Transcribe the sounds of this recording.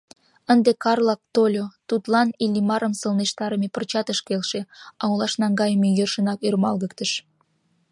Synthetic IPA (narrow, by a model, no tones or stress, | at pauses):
ənd̪ekɑrlɑk̚t̪olʲot̪ut̪lɑnilʲimɑɾəmsəlneʃt̪ɑɾəmepərt͡ɕɑt̪əʃkelʃeɑulɑʃnɑŋɡɑjəmejørʃənɑkyrmɑlɣək̚t̪əʃ